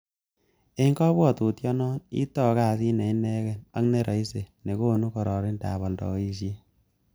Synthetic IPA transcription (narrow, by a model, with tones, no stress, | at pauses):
e˦ŋkɔ˦bwɔ˦˨tu˨tjɔ˦nɔ˦nḭ˦tɔ˦˨ka˦˨si˦nɛ˨i˦nɛ˦kɛ˦˨na˦kne˦ɾɔ˨i˦se˨ne˨ko˦nu˦kɔ˨ɾɔ˨ɾɪ˦nda̰˨bɔ˨ldɔ̰˨˦i˦ʃ̬je˦